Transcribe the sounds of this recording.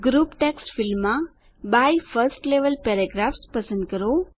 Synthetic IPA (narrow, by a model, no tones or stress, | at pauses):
ɡɾuːpʈeksʈfilmːa | bajfəɾsʈleʋəlpeɾaɡɾafspəsə̃nd̪̚kəɾo